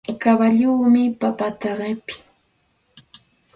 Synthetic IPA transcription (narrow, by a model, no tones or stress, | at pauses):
kaβaʎuːmɪpapat̪aɢepɪ̥